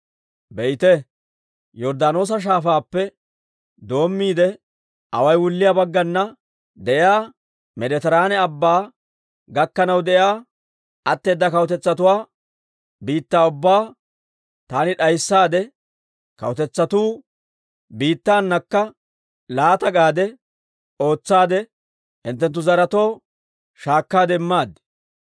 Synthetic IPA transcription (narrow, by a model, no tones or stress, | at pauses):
bɛjɪt̪ɛ | jɔɾd̪aːno̞ːs̬ɐʃ̬aːfaːpːɛ | d̪o̞ːmːiːd̪ɛ | ʔɐ̰wɐjwʊlːɪjabɐɡːɐnːɐ | d̪ɛʔɪjaː | mɛd̪ɛt̪ɛɾaːnɛɐbːaː | ɡɐkːɐnɐwd̪ɛʔjaː | ʔɐt̪ːe̞ːd̪ːɐkɐwt̪ɛt͡sːɐt̪ʊwaː | biːt̪ːaːʊbːaː | t̪aːnɪᶑɐjsːaːd̪ɛ | kɐ̰wɔt̪ɛt͡sːɐt̪uː | biːt̪ːaːnːɐkːɐ | laːt̪ɐɡaːd̪ɛ | o̞ːt͡sːaːd̪ɛ | hɪ̰nt̪ːɛnt̪ːʊzɐɾɐt̪o̞ː | ʃaːkːaːd̪ɛmːaːd̪ɛ